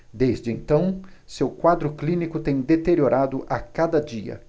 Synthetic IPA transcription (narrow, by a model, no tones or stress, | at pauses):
d̪ezd͡ʒɪẽnt̪ɐ̃w̃sewkwad̪ɾʊklĩnikʊt̪ẽj̃d̪et̪eɾioɾad̪ʊʔakad̪ɐd͡ʒiɐ̰